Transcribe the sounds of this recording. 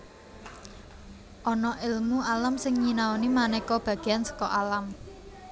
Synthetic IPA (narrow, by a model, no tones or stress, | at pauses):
ʔɔnɔʔɪlmualamsɪŋɲinaonimanɛkɔb̥ä̤ɡ̥e̤ansə̥kɔʔalam